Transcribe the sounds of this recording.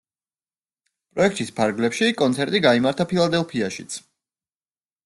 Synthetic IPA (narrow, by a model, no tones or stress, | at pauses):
pʼɾɔɛk̚ʰt̪ʼispʰaɾɡlɛpʃikʼɔnt̪sʰɛɾt̪ʼiɡaimaɾt̪ʰapʰilˠad̪ɛlˠpʰiaʃit̪sʰ